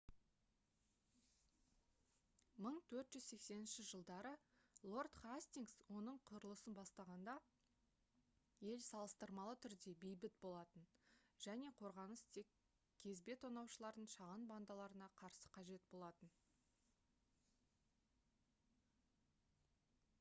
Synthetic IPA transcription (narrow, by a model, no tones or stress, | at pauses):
məɴt̪ʰɵɾt̪ʒʏzse̞kse̞nɪnʃɪʒəlˠd̪ɑɾəlˠo̞rt̪χasʲt̪ʲiŋɡswo̞nəɴqʰʊɾəlˠəsənbɑst̪ɑʁɑnd̪ɑ | je̞lsɑlˠəst̪əɾmɑlˠət̪ʰʏɾd̪e̞bejbɪt̪bo̞lˠɑt̪ənʒ̥æne̞qʰo̞ɾʁɑnəst̪ʰe̞k | kʲʰːe̞zbe̞t̪ʰonɑwʃəlˠɑɾd̪əɴʃɑʁɑnband̪ɑlˠɑɾənɑqʰɑɾsə̥qʰɑʒe̞t̪̚bo̞lˠɑt̪ən